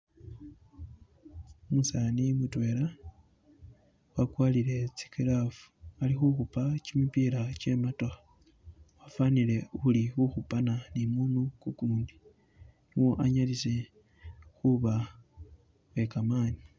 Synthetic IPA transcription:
omusanimutwe̞ːɾa | wakwaːlile̞t͡si̥kilafu̥alixuxupacimipiːɾacemato | wafaːnile̞uulixuxupananimuːnukukuːndi | niwo̞ʔaɲalise̞ | xuβa | βe̞kamaːni

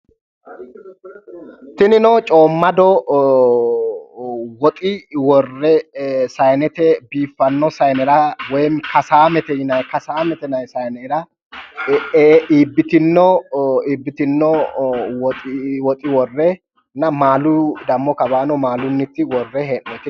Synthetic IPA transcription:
t̪ɪnɪnɔt͡ʃʼoːmːɐd̪ɔ | wɔt̪ʼɪwɔrːɛsɐjnɛt̪ɛbiːfːɐnːɔsɐjnɛɾɐwɔjnkɐsaːmɛt̪ɛɪnɐjkɐsaːmɛt̪ɛnɐjsɐjnɛɾɐ | iːbːɪt̪ɪnːɔiːbːɪt̪ɪnːɔwɔt̪ʼɪwɔt̪ʼɪwɔrːɛ | nɐmaːlʊd̪ɐmːɔkɐbaːnɔmaːlʊnːɪt̪ːɪwɔrːɛɦɛʔɔt̪ɪ

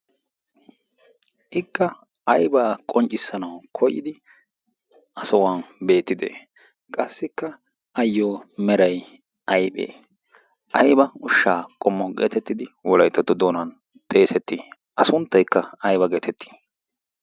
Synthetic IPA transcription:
ʔɪkːɐ | ɐjbaːkʼɔnt͡ʃʼːɪsːɐnɐwkʰɔjɪd̪ɪ | ʔɐsɔwaːnbe̞ːt̪ːɪd̪ḛː | kʼɐsːɪkːɐ | ɐjːoːmɛɾɐj | ʔɐjbʼḛː | ʔɐjbɐʊʃːaːkʼɔmːɔɡḛːt̪ɛt̪ːɪd̪ɪwɔlɐjt̪ːɐt̪ːɔd̪oːnɐn | t̪ʼe̞ːsɛt̪ːi | ʔɐsʊnt̪ːɐjkːɐɐjbɐɡeːt̪ʰɛt̪ːi̥

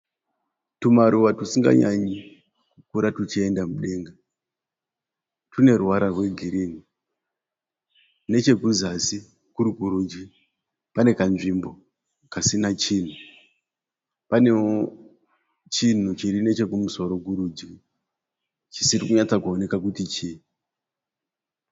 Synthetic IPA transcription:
tumaɾuʋatusiŋɡa̰ɲaɲi | kukuɾatut͡ʃie̞ndamuɗe̞ːŋɡa | tune̞ruwaɾarwe̞ɡʱiɾiːni | ne̞t͡ʃe̞kuzasi | kuɾukuɾud͡ʒi | pane̞kanʐimbo̞ | kasinat͡ʃiːn̤u | pane̞o | t͡ʃin̤ut͡ʃiɾine̞t͡ʃe̞kumuso̞ɾo̞ɡʱuɾud͡ʒi | t͡ʃisiɾikuɲat͡sakuo̞ne̞kakutit͡ʃi

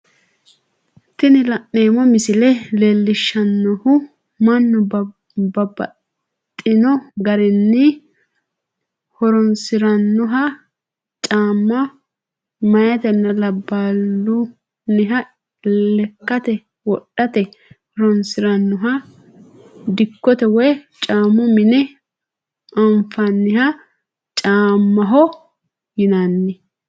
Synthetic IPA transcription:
t̪ɪnɪlɐʔːe̞ːmɔmɪsɪlɛle̞ːlːɪʃːɐnːɔhʊ | mɐnːʊ | bɐbɐ̰ | t̪ʼːɪnɔɡɐɾɛnːɪ | hɔɾɔnsɪɾɐnːʊɦɐ | t͡ʃʼaːmːɐ | mɐjɐt̪ɛnːɐlɐbːaːlːʊ | nɪɦɐ | lɛkːɐt̪ɛ | wɔɗːɐt̪ɛhɔɾɔnsɪɾɐnːʊɦɐ | d̪ɪkːɔt̪ɛwɔj | t͡ʃʼaːmʊmɪnɛ | ɐɱfɐnːɪɦɐ | t͡ʃʼaːmːɐɦɔ | jɪnanːɪ

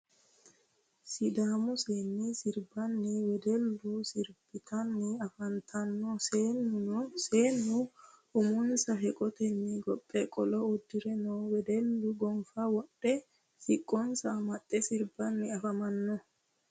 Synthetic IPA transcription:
sɪd̪aːmʊseːnːisɪɾbɐnːɪwɛd̪ɛlːʊsɪɾb̥ɪt̪ʰɐnːɪɐfɐnt̪ʰɐnːnseːnːʊ | ʊmʊnsɐɦɛkʼɔt̪ɛnːɪɡɔpʼːɛkʼɔlɔʊd̪ːɪɾɛnowɛd̪ɛlːʊɡɔmfawɔɗːɛ | sɪkʼːɔnsɐmɐt̪ʼːɛsɪɾbɐnːɪɐfɐmɐnːɔ

